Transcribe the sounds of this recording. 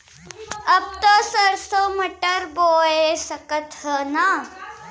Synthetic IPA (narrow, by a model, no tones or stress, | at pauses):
ɐb̚t̪osɐɾsoːmɐʈəɾboːesɐkət̪ɦəna